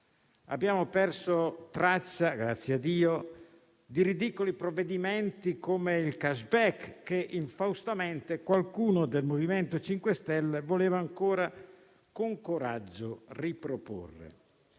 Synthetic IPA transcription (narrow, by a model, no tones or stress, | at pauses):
a̰bːjaːmopɛrsot̪ɾat͡ʃːaɡɾat̪sːjead̪ːiːo | d̪iɾid̪ikolipɾovːed̪iment̪ikomeilkaʃbɛkːeʔiɱfawst̪ament̪ekwalkuːnod̪elmoviment̪ot͡ʃiŋkwest̪ɛlːevoleːvaːŋkoːɾa | koŋkoɾad͡ʒːoripɾopo̰rːḛ